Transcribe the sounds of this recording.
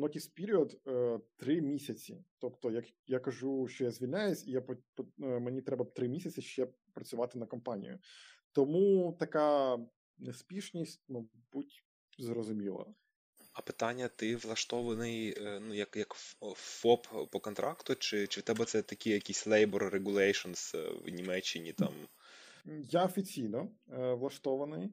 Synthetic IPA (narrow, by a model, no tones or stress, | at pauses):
nɔkʲispʲiɾʲiɔd̪ət̪ɾɪmʲisʲɐt͡sʲḭt̪ɔpt̪ɔjɐkjakɐʒuʃt͡ʃɔjazʲʋʲilʲnʲajʊsʲijappɔmenʲit̪ɾɛbɐpt̪ɾɪmʲisʲɐt͡sʲsʲɪʃt͡ʃɛ | pɾɐt͡sʲʊʋɑt̪ɪnɐkɔmpɑnʲḭjʊ̰t̪ɔmut̪ɐka | nespʲiʃnʲisʲtʲmɐ | butʲ | zrɔzʊmʲilˠɐ̰ | ɐpɪ̥t̪anʲːɐt̪ɪʋlˠɐʃt̪ɔʋɐnɪjnujɐkjɐkfɔppɔkɔnt̪ɾʔɑkt̪ʊt͡ʃɪt͡ʃɪt̪ɛbɛt̪sɛt̪ɐkʲɪjɐkʲisʲlˠɛjbɔrːeɡʊlˠɛjʃɔnsʋnʲimɛt͡ʃːɪnʲit̪ɑ̰m | jaɔfʲit͡sʲijnɔʋlˠɐʃt̪ɔʋɐnɪj